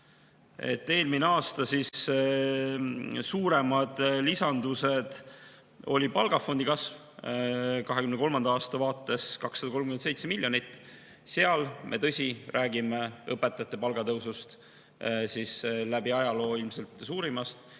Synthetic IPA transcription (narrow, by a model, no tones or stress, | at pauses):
e̞̰t̪ːe̞ːlmineɑːst̪ɑsis | suːɾe̞mɑd̪̥lisɑnd̪use̞d̪̥ | o̞̰lʲipɑlɡ̥ɑfo̞nd̪ikɑsv | kɑɦekymnkolmɑnd̪̥ɑɑːst̪ɑvɑːt̪ːˑe̞skɑksːɑd̪ɑko̞lmkymese̞jt̪semilʲːjo̞nit̪ːˑ | seɑlmʔe̞̰t̪ɤ̞sʲirʔæːɡimeɤpːˑe̞t̪ːˑɑjɑt̪ːˑe̞pɑlɡ̥ɑt̪ɤwsust̪ | sislæbiɑjɑlo̞ːilmse̞lt̪ˑsuːɾimɑst̪